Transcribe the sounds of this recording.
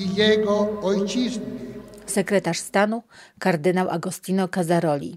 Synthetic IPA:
ijɛɡɔɔjt͡ʃiznɪsɛkɾɛt̪aʂst̪anukaɾd̪ɘnawʔa̰ɡɔst̪inɔkazaɾɔlʲḭ

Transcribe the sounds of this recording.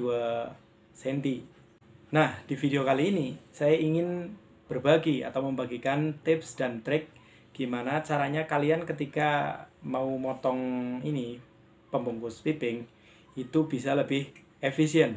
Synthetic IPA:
dua | sɛnt̪i | nahd̥ifideokaliːnisajaiŋɪn | b̥ərbaɡia̰t̪awməmbaɡikant̪ɪpsd̥ant̪ɾɪk̚ | ɡ̥imanat͡ʃaɾaɲakaliankət̪ikamaumɔt̪ɔŋini | pəmbuŋkʊspipɪŋ | it̪ubisaləbɪh | efisiɛn̚

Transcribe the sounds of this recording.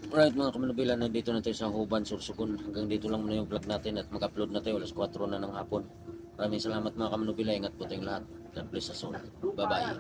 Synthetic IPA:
mɾaɪt̪̚mɐŋakɐmɐnubiːlɐnːɐnd̪iːt̪onɐt̪ajosɐhubansʊɾsʊɡonhɐŋɡaŋd̪iːt̪olaŋmunɐjʊŋplaɡ̚naːt̪ɪnɐt̪̚mɐkaplod̪nɐt̪ajoʔɐlaskwat̪ɾonɐnɐŋhaːpʊn | mɐɾaːmɪŋsɐlaːmɐt̪̚mɐŋakɐmɐnubiːlaiŋɐt̪̚pot̪ajŋlɐhat̪̚ | d̪ɐnplɪsɐson | bɐbaːja̰

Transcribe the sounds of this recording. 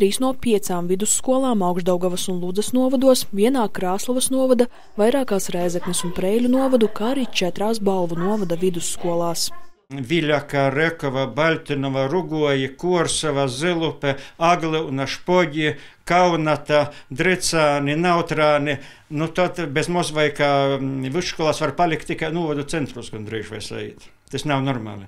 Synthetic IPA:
t̪ɾiːsnuɔpʲiɛt̪saːmvid̪usːkuɔlˠaːmawɡʒd̪awɡaʋɐsunlˠud̪zɐsnuɔvɐd̪uɔsvʲiɛnaːkɾaːslˠavɐsnuɔvad̪ɐ | vajɾaːkaːsɾajzɛknʲisunpɾɛjlʲunuɔvad̪ukaːaɾiːt͡ʃɛt̪ɾaːs̬balˠvunuɔvad̪avid̪usːkuɔlˠaːs | vʲilʲakaɾɛkɔʋabalʲt̪ʲinɔʋaɾuɡuɔjikuɔɾsaʋazɛlˠupɛaɡlˠiunaʃpɔɟʲikawnat̪ad̪ɾɛt̪saːninawt̪ɾaːnɪ | nut̪at̪bezmusʋajkaːvʲʋiskuɔlˠaːsvaɾpalʲik̚t̪ːikajnuɔvad̪ut̪sɛnt̪ɾusɡand̪ɾiːʒʋa̰jsa̰ḭːt̪ | t̪asnawnɔɾma̰ːlʲˠi

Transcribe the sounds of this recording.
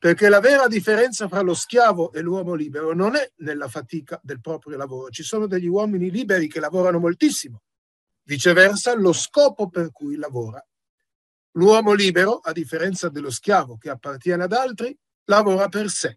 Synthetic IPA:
perkelavɛːɾad̪ifːeɾɛnt̪safɾaloskjaːvoʔelːwɔːmoliːbeɾononɛnelːafat̪iːkad̪elpɾɔːpɾjolavoːɾot͡ʃisoːnod̪eʎːiwɔːminiliːbeɾik̟elavɔːɾanomolt̪isːimo | vit͡ʃevɛrsaloskɔːpoperkujlavoːɾa | lwɔːmoliːbeɾoʔad̪ifːeɾɛnt̪sad̪elːoskjaːvok̟eapːart̪jɛːnead̪alt̪ɾi | lavoːɾaperse

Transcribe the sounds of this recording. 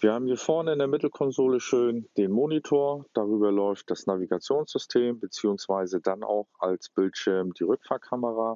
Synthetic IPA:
viːɐhaːbmiːɐfɔɐnəɪndeɐmɪtl̩kʰɔnzoːləʃøːnd̥eːnmoːnitʰoːɐd̥aʁyːbɐlɔʏft̚d̥asnaviɡat͡sjoːnsz̥ʏstʰeːmbət͡siːʊŋsv̥aɪzədanʔa̰ʊxa̰lsb̥ɪltʃɪɐmd̥iːʁʏkfaːɐkʰaməʁ̞a

